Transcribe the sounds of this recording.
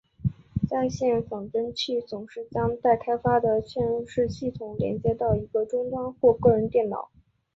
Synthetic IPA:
t͡sa˥˧ɪɕjɛ˥˩nfɑ˨˩ŋʈ͡ʂə˥nt͡ɕʰi˥˩t͡sʊ˨˩ŋʂɻ̩˥˩t͡ɕjɑ˥ŋt̪a˥˩ɪkʰa˥ɪfa˥d̪ə˨ɕʰɥɛ˥˧n˧ʂɻ̩˥˧ɕi˥˩t̪ʰʊ˨˧˩ŋljɛ̰˧˥nt͡ɕjɛ˥t̪ɑ˥˩ʊi˧˥ɡə˧ʈ͡ʂʊ˥ŋt̪wɑ˥nxwɔ˥˧kɤ˥˩ɻə˧˥nt̪jɛ˥˩nnɑ̰˨˩˦ʊ

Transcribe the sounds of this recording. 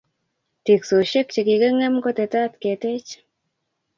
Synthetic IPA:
ti˨kso˨ʃe˦k̚t͡ʃi˨ki˨ke˦ŋɛ˦mko˦te˨ta˦tke˨te˦t͡ʃ

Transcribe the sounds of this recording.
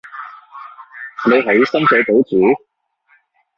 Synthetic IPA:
ne˨˧jɦɐ˨˥jsɐ˥msɛː˨˥po˨˥wt͡suː˨˥

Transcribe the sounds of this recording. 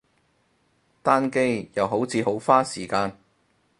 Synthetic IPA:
t̪aː˥nke˥jjɐ˨˧wɦo˨˥wt͡sʰiː˨˧ho˨˥wfaː˥siː˨˩kaː˧n

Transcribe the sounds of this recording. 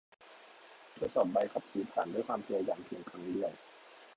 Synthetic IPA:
t̪ʰu˧˥t̪̚sɔː˨˩p̚ba˧jkʰa˨˦˥p̚kʰiː˨˦pʰaː˨˩˦nduː˥˩jkwaː˧mt̪ʰa˧jaː˨˩ŋpʰi˧ŋkʰa˦˥˩ŋlɯ˧˥˩əw

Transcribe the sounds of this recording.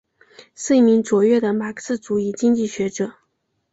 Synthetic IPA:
ʂɻ̩˥˩i˥˩mi˧˥ŋt͡swɔ˨˩ɥɛ˥˩d̪ə˩ma˨˩kʰsɹ̩˥˩t͡su˧˩i˥˩t͡ɕi˥ŋt͡ɕi˥˩ɕɥɛ˧˥ʈ͡ʂɤ˨˩˦

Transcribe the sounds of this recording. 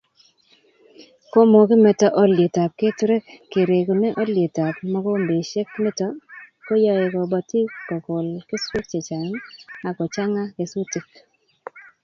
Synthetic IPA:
ko˦mo˨kɪ˦mɛ˨tɔ˦ʔɔ˦lje˨ta˨p̚ke˦tɾe˦kːe˨ɾe˨ko˨nɛ˦ʔɔ˦lje˨ta˨pmɔ˦kɔ˦mbe˨ʃe˦kmɛ˦tɔ˦ | ko˦jɔ˦ɪ˨kɔ˨bɔ˨ti˦kɔ˨ko˨lkɪ˦swe˦k̚t͡ʃe˨t͡ʃa˨ŋa˨kɔ˨t͡ʃa˦ŋa˦ke˨su˦ti˨k

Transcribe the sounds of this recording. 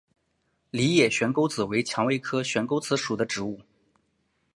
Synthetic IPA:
li˧˥jɛ˨˩ɕɥɛ˧˥nko˥ʊt͡sɹ̩˨˩we˧˥ɪt͡ɕʰjɑ˧˥ŋwe˥ɪkʰɤ˥ɕɥɛ˧˥nko˥ʊt͡sʰɹ̩˧˥ʂu˨˩d̪ə˦ʈ͡ʂɻ̩˧˥u˥˩

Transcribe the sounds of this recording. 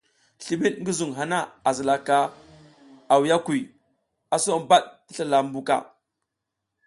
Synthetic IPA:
ɬi˨ɓi˦tŋɡi˦zu˨ŋɦa˨na˦a˨zə˨la˨ka˦ | a˨wja˦ku˨ | a˨so˦ba˦ɗti˦ɬa˨la˨m˦bu˦ka̰˦˨

